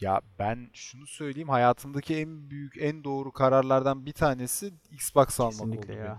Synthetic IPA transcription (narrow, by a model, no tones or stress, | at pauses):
ja̰bænʃunusø̞jlʲejimhajaːt̪ʰɯmd̪acʰiænbyjycʰænd̪o̞ːɾukʰaɾaɾlˠaɾd̪anbit̪ʰaːne̞siiksbaksalˠmaolˠu